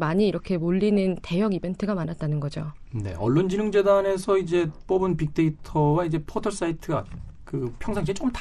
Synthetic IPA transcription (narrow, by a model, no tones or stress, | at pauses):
maɲiːɾʌkʰe̞moʎːinɯnte̞jʌɡibe̞ntʰɯɡamanat̚t͈anɯnɡʌd͡ʑo | ne̞̰ʌɭːond͡ʑinɯŋd͡ʑe̞dane̞sʰʌid͡ʑe̞p͈ʌbɯnpik̚t͈e̞itʰʌwaid͡ʑe̞pʰotʰʌɭs͈aitʰɯɡakɯpʰjʌŋsʰaŋid͡ʑet͡ɕokɯmta